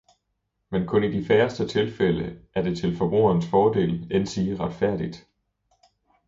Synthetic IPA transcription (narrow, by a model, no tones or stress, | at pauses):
menkʰɔ̽nid̥ifæːɐsd̥ət͡sʰe̝lfeləʔæɐd̥e̝t͡sʰe̝lfɒ̽b̥ʁṵːɐnsfɒːd̥e̝̰ːlensiːʁɑd̥fæɐ̰d̥id̥